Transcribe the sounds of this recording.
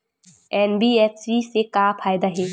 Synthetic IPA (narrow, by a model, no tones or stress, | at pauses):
ɛːnbiːeːswisekaːpʰaːjd̪aɦɛː